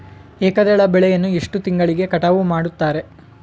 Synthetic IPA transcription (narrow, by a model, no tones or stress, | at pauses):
eːkɐd̪ɛɭɐbɛɭɛjɐnːueʂʈut̪iŋɡɐɭiɡe̞kɐʈɐʋumaːɽut̪ːaːɾe̞